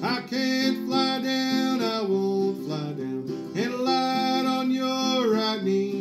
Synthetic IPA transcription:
aɪkʰetflaɪɾɪnaɪwõʊntflaɾɪ̃n | ɨ̃nlaɾnjəɹaɪt̚ni

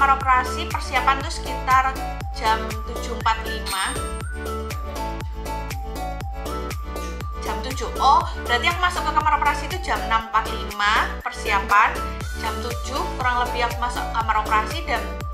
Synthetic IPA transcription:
maɾopəɾasipərsiapant̪ɾʊsə̥kit̪ar | d͡ʒam | t̪ud͡ʒumpat̪lima | d͡ʒ̥amt̪ud͡ʒuhʔɔb̥əɾat̪ijaŋmasʊʔkəkamaɾopəɾasiːt̪u̥d͡ʒamnampat̪̚limapərsiapan | d͡ʒamt̪ud͡ʒʊhkuɾaŋləbijamasɔ̰ʔkamaɾopəɾasida

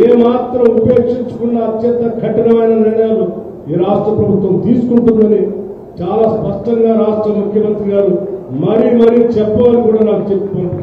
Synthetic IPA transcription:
eːmaːt̪ɾɐmupeːkʂiɲt͡ʃu̥kunːɐːt̪jɐnt̪ɐkʰɐʈɐnɐmɐjnɐniɳɐjaːlu | iːɾaːsʈɾɐpɾɐbʱut̪ʋɐmt̪iːsu̥kuɳʈund̪ɐni | t͡ʃaːlaːspɐʂʈɐŋɡaːɾaːʂʈɾɐmukʰjɐmɐnt̪ɾiɡaːɾumɐɾimɐɾit͡ʃɛpːɐɐnikuːɽaːnaːkut͡ʃepːɐːɳ

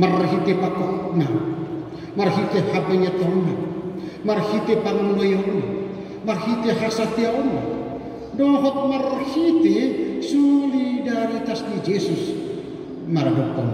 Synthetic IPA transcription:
marɦit̪epakɔhna | marhit̪ehabaɲat̪ɔna | marhit̪epaŋunɡojɔna̰ | marhit̪eɦasat̪eaona̰ | dɔɦɔt̪̚marhit̪esulidaɾit̪ast̪id͡ʒesus | mardɔkːɔŋ

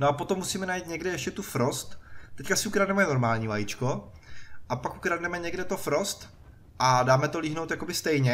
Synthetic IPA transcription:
noapo̞t̪omːusiːmɛnajit̪ɲɛɡdɛjɛʃcɛt̪ufɾost̪t̪ɛckasɪukɾadnɛmɛno̞ɾmaːlɲiːvajit͡ʃko | ʔapakʔukɾadnɛmɛɲɛɡdɛt̪ofɾost̪ | ʔadaːmɛt̪oliːɦnowt̪jako̞bɪst̪ɛjɲɛ

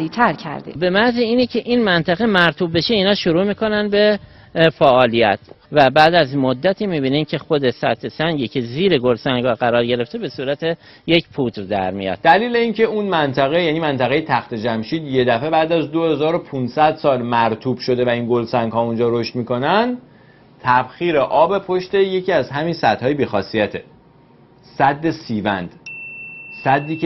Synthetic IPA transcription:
ɾiːt̪ʰæɾcʰæ̰ɾd̪ebe̞mæziiːnecʰe̞ʔiːnmænt̪ʰæɣemæɾt̪ʰubːe̞ʃe̞iːnɒːʃoɾuːmiːko̞nænd̪be̞ | fæʔɒːlijæ̰t̪ʰ | væbæːd̪æzmod̪ːæt̪ʰiːmiːbiːniːmcʰe̞xod̪e̞sæ̰t̪ʰesæŋɟiːcʰe̞ziːɾeɡolsæŋɡhɒːɢæɾɒːɾɟe̞ɾe̞ft̪ʰe̞be̞suːɾæt̪ʰe̞ | je̞cʰpʰut̪ɾd̪æɾmijɒ̰d̪̥̚d̪æliːle̞incʰe̞unmænt̪ʰæɣe̞jæːniːmænt̪ʰæɣejet̪ʰæxt̪e̞d͡ʒæmʃiːd̪je̞d̪æfe̞bæːd̪æzd̪o̞he̞zɒːɾopʰunsæd̪sɒːlmæɾt̪ʰuːb̥ʃo̞d̪e̞væinɡo̞lsæŋɡhɒːund͡ʒɒːɾoʃt̪miːko̞nænd̪ | t̪ʰæb̥xiːɾe̞ʔɒːbe̞pʰoʃt̪e̞je̞cʰiːæzɦæminsæd̪̥hɒːjebiːxɒːsijæt̪ʰe | sæd̪ːe̞siːvænd̪̥ | sæd̪ːiːk

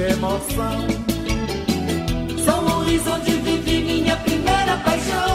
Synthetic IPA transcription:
emɔsɐ̃w̃ | sɐ̃w̃oʁizõt̪iviviɾmĩɲɐpɾimejɾɐpajʃõ

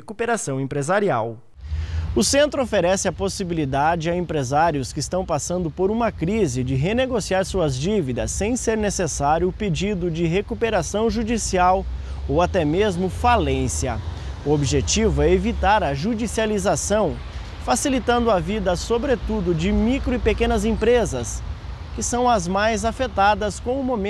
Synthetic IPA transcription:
ekupeɾasɐ̃w̃ẽpɾezaɾiaw | ʊsẽnt̪ɾʊofeɾɛsɪɐposibilid̪ad͡ʒɪaẽmpɾezaɾjʊskɪist̪ɐ̃w̃pasɐ̃nd̪ʊpoɾũmɐkɾizɪd͡ʒɪɦeneɡosiaɾsuɐzd͡ʒivid̪ɐsːẽj̃seɾnesesaɾjʊːped͡ʒid̪ʊd͡ʒɪɦekupeɾasɐ̃w̃ʒud͡ʒisiaw | owat̪ɛmezmʊfalẽsiɐ̰ | ʊobiʒet͡ʃivʊɛevit̪aɾɐʒud͡ʒisializasɐ̃w̃ | fasilit̪ɐ̃nd̪ʊavid̪ɐsobɾet̪ud̪ʊd͡ʒɪmikɾʊɪpekẽnɐzẽpɾezɐs | kɪsɐ̃w̃ɐzmajzafet̪ad̪ɐskõw̃ʊmomẽ

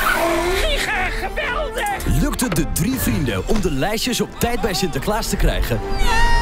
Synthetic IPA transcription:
iχəχəbɪlˠdəlɵk̚tədədrivrindəʔɔmdəlɛjʃəsɔp̚tɛjd̚bɛjsɪntəklaːstəkrɛ̰jχən

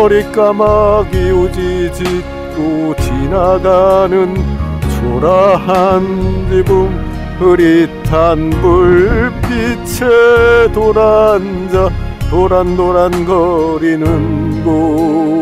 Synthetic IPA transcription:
ʌɾik͈amaɡiud͡ʑid͡ʑi | k͈ot͡ɕinaɡanɯnt͡ɕoɾaɦand͡ʑibum | hɯɾitʰanbuɭɭpit͡ɕʰetoɾan | d͡ʑa | t̪oɾandoɾanɡʌɾinɯnɡo

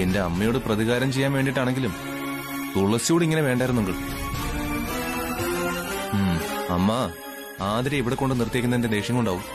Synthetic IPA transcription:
e̞nde̞ɐmːɐjo̞ːɽeprɐðiɣaːɾɐmt͡ɕe̞jːaːnʋeːɳɖiʈ̬ːaːɳe̞ŋɡilum | t̪uɭɐsijuːɽiŋːɐneʋe̞ːɳɖaːjɾunːuŋɡɐɭ | mɐmːɐ | aːd̪ɾieʋiɽekːo̞ɳɖɨnirt̪jɐkːunːɐende̞d̪e̞ːʂjɐŋːuɳɖaːʋu

